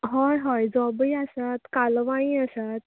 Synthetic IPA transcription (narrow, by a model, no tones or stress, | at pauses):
ɦɔjɦɔjd͡zɔbəiasat̪kalʋãĩasat̪̚